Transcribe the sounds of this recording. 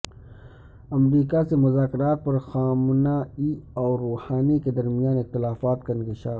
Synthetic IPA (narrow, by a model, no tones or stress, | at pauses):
ɐmɾiːkasemʊzaːkɪɾaːt̪̚pɐɾxaːmnaiɔːɾoːhaːniked̪ɐɾmijaːnɪxt̪ɪlaːfaːt̪kaɪ̃nkɪʃaː